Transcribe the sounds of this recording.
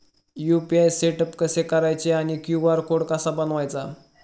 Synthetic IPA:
jupiajseʈəpkəsekəɾajt͡ɕeaɽ̃ikjuʋaɾkoɽkasabənʋajt͡sa

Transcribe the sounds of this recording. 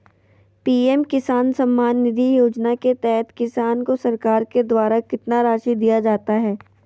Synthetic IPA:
piːɛmkɪsaːnsɐ̃mːaːnːɪd̪ʱijoːd͡ʒnaket̪ɛɦɛt̪kɪsaːnkosɐɾkaːɾked̪waːɾakɪt̪naɾaːʃid̪ijad͡ʒaːt̪aɦɛː

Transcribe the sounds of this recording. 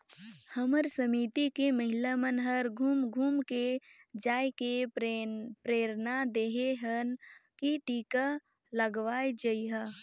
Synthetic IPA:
həməɾsəmiːt̪ikeməɦɪlamənɦəɾɡʱuːmɡʱuːmked͡ʒaːjke | pɾeːɾnad̪eːɦeɦənkiʈiːka | ləɡʋaːed͡ʒəiɦa

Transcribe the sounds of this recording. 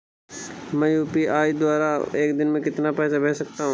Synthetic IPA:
mɛ̃juːpiʔaːid̪waːɾaeːkd̪ɪnmẽkɪt̪napɛːsabʱɛːsɐk̚t̪aɦũ

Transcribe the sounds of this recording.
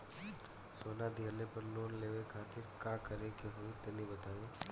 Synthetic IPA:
soːnad̪ɪɦəlepɐɾloːnleːʋekʰaːt̪ɪɾkaːkɐɾekeɦoit̪ɐnĩbɐt̪aːjoː

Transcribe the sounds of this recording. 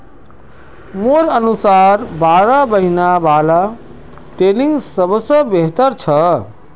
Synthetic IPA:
moɾənusaːɾbaːɾabəɦinabala | ʈɾeniŋɡsəbsəbeɦt̪əɾt͡ʃʰə

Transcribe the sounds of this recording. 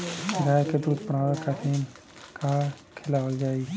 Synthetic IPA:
ɡaːjked̪uːd̪pəɽaːʋekat̪ʰin | kaː | kʰelaəld͡ʒaːi

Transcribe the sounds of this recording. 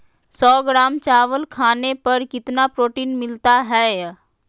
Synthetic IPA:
sɔːɡɾaːmt͡ʃaːʋəlkʰaːnepɐɾkɪt̪napɾoːʈiːnmɪlt̪aɦɛː

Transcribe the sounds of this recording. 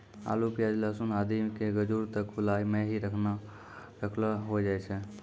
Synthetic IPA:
a̰lupijad͡ʒləsunad̪imkeɡəd͡ʒuɾt̪əkulaimẽɦiɾəkʰna | ɾəkʰlɦod͡ʒajt͡ʃʰɛ

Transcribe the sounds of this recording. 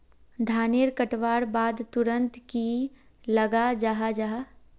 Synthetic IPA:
d̪ʱaːneːɾkɐʈʋaːɾbaːd̪t̪ʊɾə̃nt̪ki | lɐɡad͡ʒaɦad͡ʒaɦaː

